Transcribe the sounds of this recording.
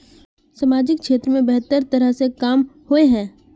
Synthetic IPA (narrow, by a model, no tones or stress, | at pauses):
sɐmaːd͡ʒɪk̚ʃeːt̪ɾəmẽbɛɦt̪əɾt̪ɐɾəɦsekaːmhoeɦɛ̃ː